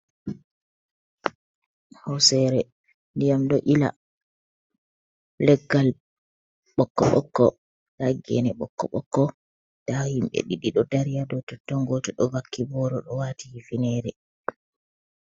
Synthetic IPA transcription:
hɔsɛɾɛ | ndijamɗɔʔila̰ | lɛɡːal | ɓɔkːɔɓɔkːɔ | laɡɛ̰nɛɓɔkːɔɓɔkːɔ | tahimɓɛ̰ɗiɗiɗɔdaɾijadɔtɔtɔŋɡɔtɔɗɔvakːibɔɾɔɗɔwaːtihifinɛːɾɛ

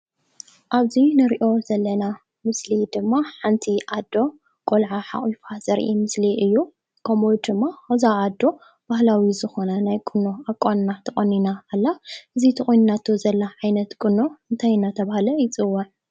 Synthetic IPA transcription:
ʔaβzinɨɾiʔo̞zɐlːɐna | mɨslid̪ɨmːaħant̪ʰiʔad̪ːo̞ | kʼolʕaħa̰χʼifaz̥ɐɾʔimɨsliʔɨjːu | kʰɐmod̪ɨmːaawzaːd̪ːo̞ | b̥ahlawizɨxo̞nɐnajkʼɨnːo̞akʼannat̪ʰɐχʼɐnːinaːlːaʔɨzit̪ʰɨχʼojnnat̪ʰozɐlːaʕajnɐt̪kʼɨnːo̞ɨnt̪ʰajnat̪ʰɐβahlɐjɪt͡sʼɨwːɐʕ

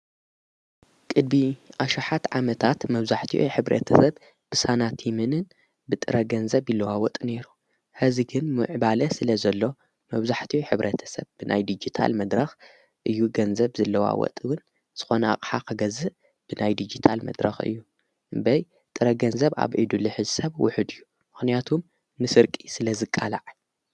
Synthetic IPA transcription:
kʼɨd̪̚biʔaʃaħat̪ʕamɐt̪ʰat̪mɐβzaħt̪ʰiʔuħɨβɾɐ̰t̪ʰɐsɐb | b̥ɨsanat̪ʰjɛmɨnɨn | bɨt̪ʼɨɾɐɡɐnzɐβjilːɐwawɔt̪ʼɨne̞ɾu | ħɨziɡɨnmɨ̰ʕbalɐsɨlɐzɐlːo̞ | mɐβzaħt̪ʰiħɨβɾʔɐt̪ʰɐ̥sɐβbɨnʔa̰jd̪id͡ʒit̪ʰa̰lmɐd̪ɾɐx | ʔɨjːuɡɐnzɐβzɐlːɐwa̰wɔ̰t̪ʼɨwʊn | z̥ɨxo̞nɐa̰kʼħakʰɨɡɐzɨ | b̥ɨnajd̪id͡ʒit̪ʰalmɐ̰d̪ɾɐ̰xɨ̰jːu | bɐj | t̪ʼɨɾɐɡɐnzɐβa̰βʕid̪uliħɨzɨsɐβwʊ̰ħɨd̪ɨjːu | mɨxnijat̪ʰum | nɨsɨɾkʼi̥sɨlɐzɨkʼːalaʕ

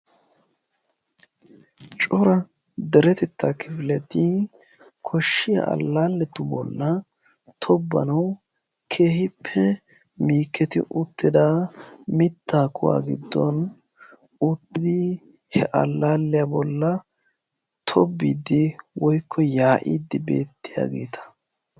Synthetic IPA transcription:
t͡ʃʼɔɾɐ | d̪ɛɾɛt̪ɛt̪ʰːakʰɪfɪlɛt̪i | kʰɔʃːɪjɐ̰ɐ̰lːaːlːɛt̪ʊbɔ̰lːɐ | t̪ʰɔbːɐ̰nɐw | kʰe̞ːhɪpʰːɛ | miːkːɛt̪ɪ̰ʔʊt̪ːɪd̪aːmɪt̪ːaːkʰʊwa̰ːɡɪ̰d̪ːɔ̰n | ʊt̪ːɪd̪ɪ | hɛʔɐ̰lːaːlːɛjabɔlːɐ | t̪ʰɔbːiːd̪ɪwɔjkʰːɔjaːʔiːd̪ːɪbe̞ːt̪ːɪja̰ːɡeːt̪ʰɐ̥

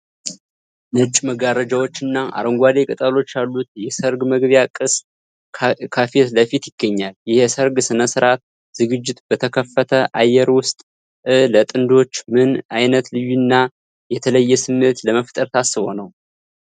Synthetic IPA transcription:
nɨt͡ʃʼməɡaɾəd͡ʒawo̞t͡ʃːɪnːaʔa̰ɾəŋɡʷad̪e̞kʼɨt̪ʼalo̞t͡ʃːjalːut̪jɛsəɾɡməɡβjakʼɨs | kʰafet̪ləfit̪jɪɡːəɲːaljɪhesəɾɡsɨnəsɨɾat̪̚ | z̥ɨɡɨd͡ʒːɪt̪bət̪ʰəkʰəfːət̪ʰəʔajːɛɾwʊst̪ʼ | ɨlət̪ʼɨnd̪o̞t͡ʃːmɨnajnət̪lɨjunːa | jɛt̪ʰələjːɛsɨmːet̪ləməft̪ʼəɾt̪ʰasːɨβo̞̰nəw

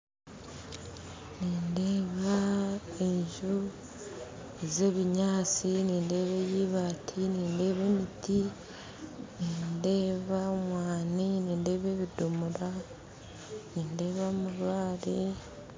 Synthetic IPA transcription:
niːnde̞ːβaeɲʒu | eze̞ːβiɲaːt͡siniːnde̞ːβejiːβaːtʰiniːnde̞ːβe̞ːmiti | niːnde̞ːβamwaːniniːnde̞ːβe̞βidumuɾa | niːnde̞ːβamuɾwaːɾe

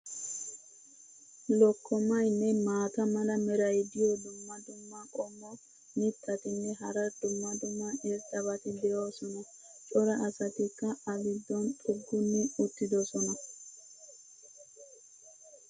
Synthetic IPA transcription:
lɔkːɔmɐjnːɛmaːt̪ɐmɐlɐmɛɾɐjd̪ɪjɔd̪ʊmːɐd̪ʊmːɐkʼɔmːɔ | nɪt̪ːɐt̪ɪnːɛɦɐɾɐd̪ʊmːɐd̪ʊmːɐʔɛɾt̪ːɐβɐt̪ɪd̪ɛjoːsɔnɐ | t͡ʃʼɔɾɐʔːsɐt̪ɪkːɐɐbɪd̪ːɔnt̪ʼʊɡːʊnːʊʊt̪ːɪd̪ɔsɔnɐ

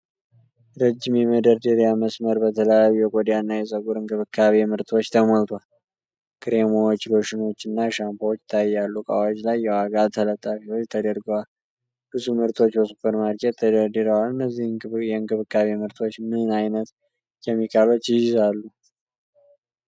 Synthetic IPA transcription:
ɾəd͡ʒːimjɛməd̪əɾd̪əɾjaməsməɾbət̪ʰələjajujɛkʼod̪janːajɛsʼəɡuɾɨŋkʼɨβɨkʰːaβemɨɾt̪ʰwo̞t͡ʃːt̪ʰəmolt̪ʰwal | kʰɨɾemowt͡ʃːlo̞ʃɪno̞t͡ʃːɨnːaʃampʰawot͡ʃːt̪ʰajːalːukʼa̰wad͡ʒlajːɛwaɡat̪ʰələt̪ʼːafio̞t͡ʃːt̪ʰəd̪əɾɡwal | b̥ɨzumɨɾt̪ʰo̞t͡ʃːbəsupʰːəɾmaɾkʼet̪ʰːəd̪əɾd̪ɨɾəwalɨnːəzːijɛɨŋɡʼɨβɨkːaβemɨɾt̪ʰo̞t͡ʃːmɨnajnət̪ | jɛmːikʰalot͡ʃːjɪjɪzalːu

